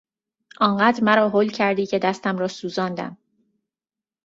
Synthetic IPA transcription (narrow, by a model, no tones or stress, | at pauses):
ʔɒːɴɢæːd̪ɾmæɾɒːɦoːlcʰæɾd̪iːcʰe̞d̪æst̪æmɾɒːsuːzɒːnd̪æ̰m